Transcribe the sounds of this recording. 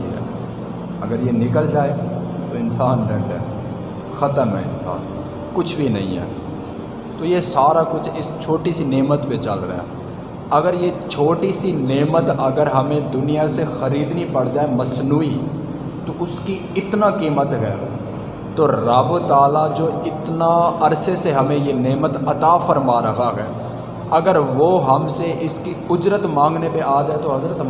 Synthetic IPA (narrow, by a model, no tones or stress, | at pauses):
ɦɛ̰ː | əɡəɾjeːnɪkəld͡ʒaːet̪oːɪnsaːnɖɛ̃ɳɖɛ̰ː | xət̪əmɦɛ̰ːɪ̰nsa̰ːn | kʊt͡ʃʰbʱinə̃ɦḭ̃ɦɛ̰ː | t̪oːjesaːɾakʊt͡ʃʰɪst͡ʃʰoːʈisineːmət̪pet͡ʃəlɾə̰ɦɛ̰ː | əɡəɾjeːt͡ʃʰoːʈisineːmət̪əɡəɾɦəmẽd̪ʊnijasexəɾiːd̪nipəɽd͡ʒaːeməsnuːi | t̪oːʊski | ɪt̪nakiːmət̪ɦɛ̰ː | t̪oːɾaːʋot̪aːlad͡ʒoːɪt̪naəɾseseɦəmẽjeːneːmət̪ɐt̪aːfʰəɾmaːɾəɦaːɦɛ̰ː | ɐɡəɾʋoːɦəmseʔɪskiʊd͡ʒɾət̪mãːŋɡnepeʔaːd͡ʒaːet̪oːɦɐzɾət̪